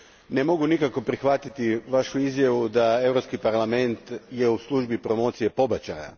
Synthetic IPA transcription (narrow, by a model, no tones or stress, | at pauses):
nemo̞ɡunikako̞pɾixʋat̪it̪iʋaʃuizjaʋud̪ae̞ʋɾopskipaɾlˠame̞nt̪jeuslˠuʒbipɾo̞mo̞ːt̪sije̞po̞bat͡ɕa̰ja̰